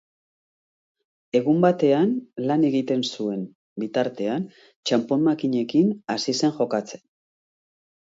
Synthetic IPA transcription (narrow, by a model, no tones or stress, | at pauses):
e̞ɣ̞umbat̪e̞anlane̞ɣit̪e̞nsue̞n | bit̪aɾt̪e̞an | t͡ʃampo̞mmakiɲe̞kinasise̞ŋʝo̞kat͡se̞̥n